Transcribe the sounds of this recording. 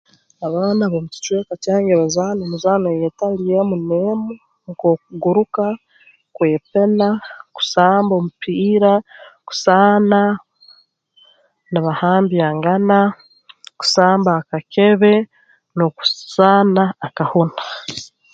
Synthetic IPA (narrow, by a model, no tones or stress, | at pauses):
aβaːnaβomuci̥t͡ʃwekacaːŋɡeβazaːnomuzaːnejetalijemuneːmu | ŋko̞ːk̚uɡuɾuka | kwe̞ːpe̞naku̥saːmbo̞mupʰiːɾaku̥saːna | niβahaːmbjaːŋɡana | ku̥saːmbaːkake̞βe̞ | noku̥z̥aːnaːkahuna